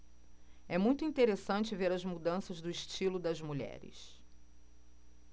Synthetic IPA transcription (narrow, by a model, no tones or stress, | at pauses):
ɛmũj̃t̪ʊĩt̪eɾesɐ̃nt͡ʃɪveɾɐzmud̪ɐ̃sɐzd̪ʊiʃt͡ʃilʊd̪ɐzmuʎɛ̰ɾɪ̰s